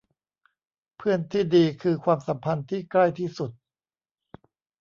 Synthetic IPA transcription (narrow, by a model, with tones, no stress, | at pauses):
pʰɯ˥˩ənt̪ʰiː˥˩diː˧kʰɯː˧kʰwaː˧msa˩˦mpʰa˧nt̪ʰiː˥˩kla˥˩jt̪ʰiː˥˩su˨˩t̪̚